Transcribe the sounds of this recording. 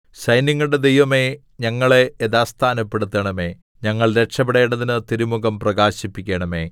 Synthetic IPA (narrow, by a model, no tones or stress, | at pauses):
ɕɐjniŋːɐɭɽe̞d̪e̞jʋɐme̞ | ɲɐŋːɐɭe̞eðaːst̪ʰaːnɐpːe̞ɽut̪ːɐɳɐme̞ː | ɲɐŋːɐɭɾe̞ʈʂɐbeɽeːɳɖɐðinɨt̪iɾumuɣɐmprɐɡaːɕipːikʲːeːɳɐme̞̰ː